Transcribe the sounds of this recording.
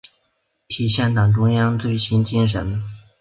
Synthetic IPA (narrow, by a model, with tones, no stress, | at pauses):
t̪ʰi˨˩ɕjɛ˥˩nt̪ɑ˨˩ŋʈ͡ʂʊ˥ŋjɑ˥ŋt͡swe˥˩ɪɕʰi˥nt͡ɕi˥nʂ̬ə̰˧˥n